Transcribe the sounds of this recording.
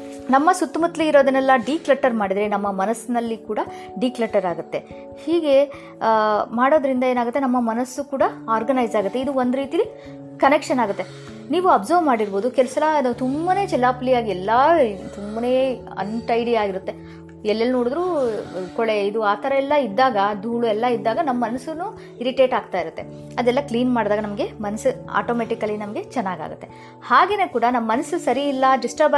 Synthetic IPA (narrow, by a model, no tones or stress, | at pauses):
nɐmːɐsut̪ːumɐt̪ːliːɾo̞ːd̪ɐnɛlːɐɖiːklɐʈːɐɾmaːɽid̪ɾenɐmːɐmɐnɐsnɐlːikuːɽɐ | ɖiːklɐʈːɐɾaːɡut̪ːe̞ | hiːɡe̞ | maːɽo̞ːd̪ɐɾind̪ɐeːnaːɡut̪ːe̞nɐmːɐmɐnɐsːukuːɽɐaːɾɡɐnɐjd͡ʒaːɡut̪ːe̞id̪uond̪uɾiːt̪ijɐli | kɐnekʂɐnaːɡut̪ːe̞ | niːʋuɐbzɐːɾʋmaːɽiɾbo̞ːd̪ukɛlɐsɐlɐt̪umbɐne̞ːt͡ʃɛlːaːplijaːɡiɛlːɐt̪umbɐne̞ː | ɐ̰ɳʈɐjɽiaːɡiɾut̪ːe̞ | ɛlːɛlːunoːɽud̪ɾuːkɔɭeid̪uaːt̪ʰɐɾɐɛlːɐid̪ːaːɡɐd̪ʱuːɭuɛlːɐid̪ːaːɡɐnɐmɐːɐnɐsunu | iɾiʈeːʈaːɡ̚t̪aːjiɾut̪ːe̞ | ɐd̪ɛlːɐkliːnmaːɖd̪aːɡɐnɐmɐɡe̞mɐnɐsua̰ːʈoːmeːʈikɐlːinɐmɐɡe̞t͡ʃɛnːaːɡa̰ːɡṵt̪ːe̞ | haːɡe̞ːne̞ːkuːɽɐnɐmːɐːɐnɐsusɐɾiːlːɐɖisʈɐɾb